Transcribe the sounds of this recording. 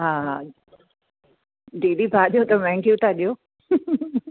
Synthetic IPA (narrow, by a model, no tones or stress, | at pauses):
ɦaː | ɖiːlibaːɗijot̪ɐmɛ̃ŋkjut̪ʰaɗijo